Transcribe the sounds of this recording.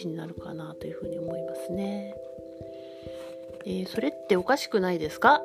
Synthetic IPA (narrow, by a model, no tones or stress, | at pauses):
iɲ̟inaɾɯ̟ka̰nat̪o̞jɯ̟ɸɯ̟ːɲ̟io̞mo̞imasɨne̞ | eːso̞ɾe̞t̪ːe̞o̞kaɕi̥kɯ̟naid̪e̞sɨ̥ka